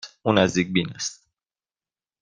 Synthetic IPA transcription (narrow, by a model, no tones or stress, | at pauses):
unazd̪ik̚binɛst̪̚